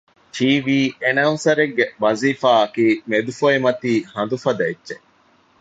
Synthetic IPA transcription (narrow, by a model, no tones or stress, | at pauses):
t͡ʃiːʋiːenɐunsɐɾeɡːeʋɐziːfaːɐkiːmed̪ufoimɐt̪iːhɐnd̪ufɐd̪ɐedːt͡ʃe